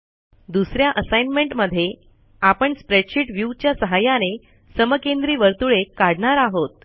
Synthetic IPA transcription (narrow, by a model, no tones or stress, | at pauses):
d̪usɾjaʔəsajnmeɳʈməd̪ʱːje | apəɳspɾeʈɕiʈʋjuːt͡ɕjasəɦajane | səməkend̪ɾiːʋəɾt̪uɭekaɽɳaɾaɦot̪̚